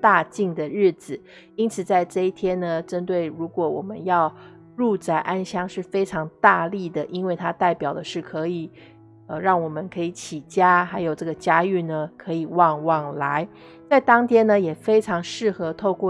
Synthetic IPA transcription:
t̪a˥˧t͡ɕi˥˩ŋd̪ə˩ɻɻ̩˥˩d͡zɹ̩˨˩ | i˥nt͡sʰɹ̩˨˩t͡sa˥˧ɪʈ͡ʂɤ˥˧i˥˩t̪ʰjɛ˥nnə˨ʈ͡ʂə˥nt̪we˥˩ɪɻu˧˥kwɔ˧˥wɔ˨˩mə˦njɑ˥˧ʊ | ɻu˥˧t͡sa˥˩ɪʔa˥nɕjɑ˥ŋʂɻ̩˥˩fe˥ɪʈ͡ʂʰɑ˧˥ŋt̪a˥˧li˥˩d̪ə˩ʔi˥nwe˥˩ɪt̪ʰa˥t̪a˥˩ɪpjɑ˨˩ʊd̪ə˦ʂɻ̩˥˩kʰɤ˧˥i˨˩˦ | ə˧ɻɑ˥˩ŋwɔ˨˩mə˦nkʰɤ˧˥i˧˥t͡ɕʰi˨˩t͡ɕja˥xa˧˥ɪjo˨˩ʊʈ͡ʂɤ˥˩ɡə˩t͡ɕja˥y˥˩nə˩kʰɤ˧˥i˨˩wɑ˥˧ŋwɑ˥˩ŋla˧˦ɪ | t͡sa˥˩ɪt̪ɑ˥ŋt̪ʰjɛ˥nə˧jɛ˨˩fe˥ɪʈ͡ʂʰɑ˧˥ŋʂɻ̩˥˩xɤ˧˥t̪ʰo˥˧ʊkwɔ˥˩

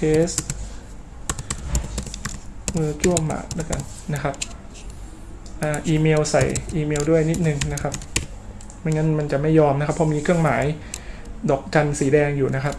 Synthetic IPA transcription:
t̪ʰeː˦˥s | ʔɤː˧t͡ɕu˥˩əmːa̰˨˩la˦˥ka˧n | na˦˥kʰa˦˥p̚ | ʔaː˨˧˩ʔiː˧meː˧wsa˨˩jʔiː˧meː˧wdu˥˩əjni˦˥t̪̚nɯ˨˩ŋna˦˥kʰa˦˥p̚ | ma˧nŋa˦˥nma˧nt͡ɕa˨˩ma˥˩jːɔː˧mna˦˥kʰa˦˥pʰːɔ˧˥miː˧kʰɯ˥˩əŋmaː˩˦j | dɔː˨˩k̚t͡ɕa˧nsiː˩˦dɛː˧ŋjuː˨˩na˦˥kʰa˦˥p̚

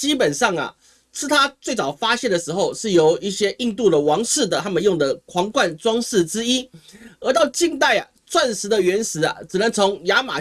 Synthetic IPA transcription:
t͡ɕi˦˥pə˨˩nʂɑ˥˩ŋɐ̰˩ | ʈ͡ʂʰɻ̩˥t̪ʰa˥t͡swe˥˩ɪt͡sɑ˨˩ʊfa˥ɕjɛ˥˩nd̪ə˩ʂɻ̩˧˥xo˥˧ʊʂɻ̩˥˩jo˧˥ʊi˥˩ɕjɛ˥ʔi˥˧ŋt̪u˥˩d̪ə˩wɑ˧˥ŋʂɻ̩˥˩d̪ə˩t̪ʰa˥mə˨njʊ˥˩ŋd̪ə˩kʰwɑ˧˥ŋkwa˥˩nʈ͡ʂwɑ˥ŋʂɻ̩˥˩ʈ͡ʂɻ̩˥i˥ə˧˥t̪ɑ˥˧ʊt͡ɕi˥˧ŋt̪a˥˩ɪɐ̰˨˩ | t͡sʰwa˥˩nʂɻ̩˧˥d̪ə˨ɥɛ˧˥nʂɻ̩˧˥ɐ̰˨˩ʈ͡ʂɻ̩˨˩nə˧˦ŋt͡sʰʊ˧˥ŋja˧˥ma̰˨˩

